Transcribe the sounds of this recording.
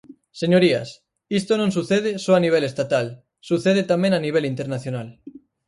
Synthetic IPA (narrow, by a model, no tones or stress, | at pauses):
seɲoɾias | ist̪onõŋsuθeð̞esɔaniβ̞elest̪at̪al | suθeð̞et̪amẽŋaniβ̞elint̪eɾnaθjonal